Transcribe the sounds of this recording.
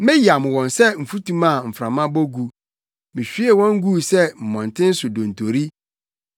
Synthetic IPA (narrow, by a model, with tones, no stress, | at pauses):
mɪ̃˦ja˨m̃˨wɔ̃˨nsɛ˦m̩˨fu˦tʰũ˦mã˦˨m̩˨fɾã˨mã˦bɔ˦ɡu˨ | mɪ̃˨ɕᶣi˦e˦˨wɔ̃˦ŋ̩˦ɡu˦sɛ˦m̩˨mɔ̃˨n˨tʰɪ̃˦n̩˦sʊ˨dõ˨n̩˨tʰo˨ɾi˦